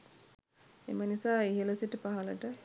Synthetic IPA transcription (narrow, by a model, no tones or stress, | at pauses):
ḛmənisaːiɦələsiʈəpaɦalə̰ʈə